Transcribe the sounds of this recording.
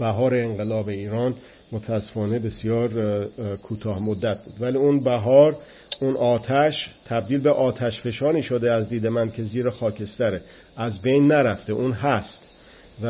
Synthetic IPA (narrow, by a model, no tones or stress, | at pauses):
bæɦɒːɾeːŋɢelɒːbe̞iːɾɒːn | mot̪ʰææsːe̥fɒːnebe̞sijɒːɾkʰuːt̪ʰɒːhmod̪ːæt̪̚ʰbṵːd̪væliːunbæɦɒːɾ | unʔɒːt̪ʰæʃt̪ʰæb̚d̪iːlbe̞ʔɒːt̪ʰæʃfe̞ʃɒːɾiːʃod̪eæzd̪iːd̪emænkʰe̞ziːɾexɒːcʰe̞st̪æɾe | ʔæzbejnːæɾæft̪eʔuːnɦæst̪ | væ